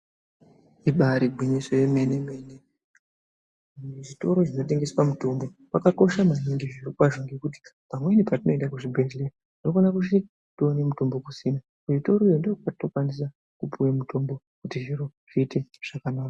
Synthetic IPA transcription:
iɓaɾibʱwiɲisojemenemeːne | ʐito̞ɾo̞ʐino̞t̬e̞ŋɡe̞swamuto̞mbo̞wakako̞ʃamaɲiŋɡiʐirikwaʐoŋɡekut̬i̥pamwe̞nipatino̞e̞ndakuʐibʱerle | inofonakut͡ʃi | tone̞muto̞mbo̞kusina | uʐito̞ɾoijondookpatino̞kwanis̬a | kupuwemutʰo̞mbo | kutiʐiɾoʐ̥iːte̞ʐ̥akanaːka

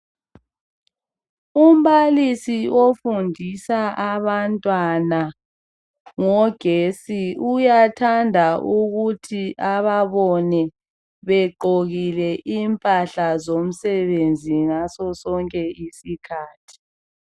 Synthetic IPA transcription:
um̩βalisiofundʱisaʔaβantʼwana | ŋɔɡ̥ʱesiujatʰandʱaʔuɣutʰiʔaβaβɔnɛ | βɛǃoɣilɛʔimpʼaɬazom̩sɛβend͡zʱiŋasɔsɔŋkʼɛisikʰaːtʰi̥

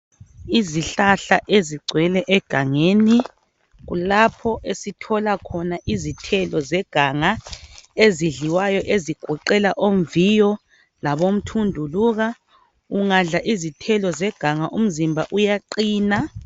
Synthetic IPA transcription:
iziɬaɬa̰ʔeziɡ͡ǀʱwɛlɛʔɛɡ̥ʱaŋeni | ɣṵlapʰɔʔesitʰɔlakʰɔnaʔizitʰɛlɔzɛɡ̥ʱaŋaeziɮiwajɔʔeziɡ̥ʱɔǃɛlaʔomvijɔ | laβom̩tʰundʱuluɣa | uŋaɮaʔizitʰɛlɔzɛɡ̥ʱaŋaʔum̩zimbʱa̰ʔujaǃiːna

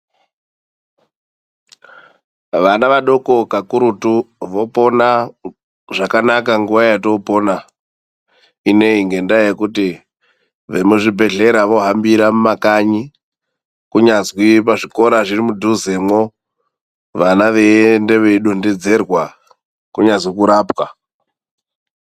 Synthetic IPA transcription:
ʋanaʋaɗo̞ko̞kakuɾutuʋo̞po̞na | ʐakanakaŋɡuʋajato̞pona | ine̞iŋɡe̞ndajekuti | ʋemuʐibʱe̞ɮe̞ɾaʋo̞ɦambiɾamumakaɲi | kuɲazwip̬aʐiko̞ɾaʐirimudʱuzemo̞ | ʋanaʋende̞ʋeɗonded͡ze̞rwa | kuɲazwikuɾaːpwa

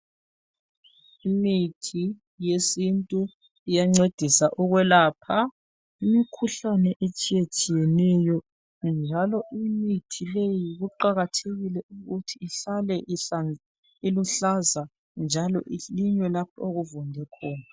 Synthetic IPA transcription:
imitʰi | jesintʼu | ijaŋ͡ǀed̥ʱisaʔɔɣwɛlaːpʰa | imikʰuɬanɛʔet͡ʃʼijet͡ʃʼijɛnɛjɔ | nd͡ʒʱalɔʔimitʰilejiɣuǃaɣatʰeɣilɛʔuɣutʰiːɬalɛʔan | iluɬaza | nd͡ʒʱalɔ̰ʔiliɲwɛlap̚ʰaoɣuvɔndʱɛkʰɔːna

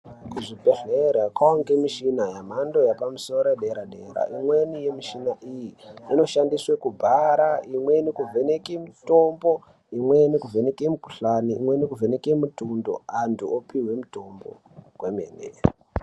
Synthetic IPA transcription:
kuʐibʱe̞ɮeɾakwaoŋɡemiʃinajam̤ando̞japamuso̞ɾoɗeɾaɗe̞ɾa̰ʔimwe̞nijemiʃinaʔijiino̞ʃandiswekubʱaɾaimwe̞nikuvʱe̞nekemuto̞mbo̞ | imwe̞nekuvʱenekemuku̥ɬaniːmwenekuvʱe̞nekemutundo̞̰antʰuopiwe̞muto̞mbo̞̰ | kwemḛːnḛ

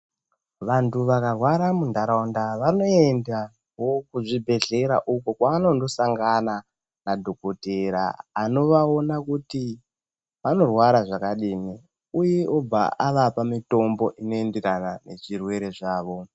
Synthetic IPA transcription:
ʋantuʋakarwaɾamundaɾaundaʋano̞enda | wo̞kuʐibʱe̞ɮe̞ɾa̰ʔukokwaːno̞ndo̞saŋɡana | nadʱo̞koteɾa̰ːno̞ʋao̞nakuti | ʋano̞rwaɾaʐakaɗiːni | ujeob͡va̰ʔaʋapamito̞mbo̞ʔino̞e̞ndekanane̞̰ʐirwe̞ɾe̞ʐaːʋo̞

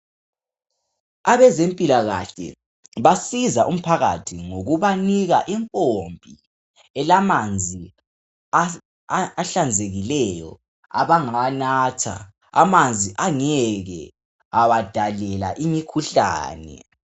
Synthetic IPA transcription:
aβɛzempʼilaɣa̰ɬɛ̰ | βasizaʔum̩pʰaɣa̰tʰiŋoɣuβaniɣaʔimkʼombʱi | ɛlamand͡zʱi | aɬand͡zʱeɣilɛjɔ̰ | a̰βaŋanatʰa̰ | a̰mand͡zʱiʔaŋɛɣɛ | awad̥ʱalɛla̰ʔimikʰuɬa̰ːnɛ̰

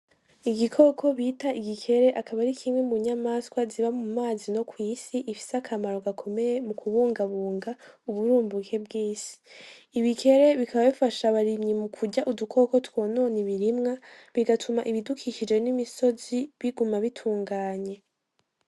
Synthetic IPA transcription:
iɡikʰo̞ːkʰo̞βitaiɡikʰe̞ɾe̞ʔakaβaɾikʰimwemuɲamaskwaziβamumaːzino̞kwiːsiʔifi̥sakʰamaɾo̞ɡakʰo̞me̞jemukʰuβuːŋɡaβuːŋɡauβuɾuːmbukʰe̞bɡiːsi̥ː | βikʰe̞ɾe̞βikʰaβaβifaʃaβaɾimɲimukʰuɟaʔudukʰo̞ko̞two̞no̞ːniβiɾimŋa | βiɡatʰumaʔiβidukʰiʃid͡ʒe̞nimiso̞ziβiɡumaβitʰuːŋɡaːɲe̞

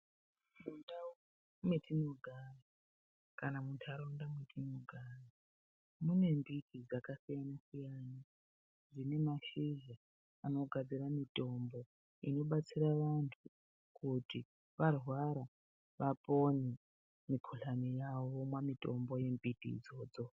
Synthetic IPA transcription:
munda | mwetʰinoɡʱara | kanamuntʰaɾondamwetʰinoɡʱari | mune̞mbitʰid͡zakasijanasijana | d͡zine̞maʃiʒa | ano̞ɡʱad͡ziramito̞mbo̞ | ino̞ɓat͡siɾaʋantʰu | kʰuti | ʋarwaɾa | ʋapo̞ni | mikʰuɬamijaomwamito̞mbo̞je̞mbitḭːd͡zo̞ːd͡zo̞

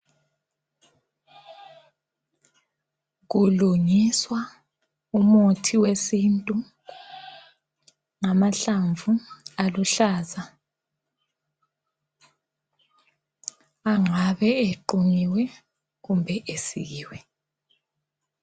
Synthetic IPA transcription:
ɣuluɲiswa | umotʰiwesintʼu | ŋamaɬaɱvualuɬaːza | aŋaβɛeǃuŋiwɛ | ɣumbʱɛʔesḭɣiːwɛ

